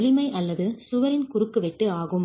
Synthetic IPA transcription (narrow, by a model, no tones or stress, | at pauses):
lɪmɐɪʔɐlːɐðɯsʊʋɐɾɪnkʊɾɯkːɯʋɛʈːɯaːɣɯm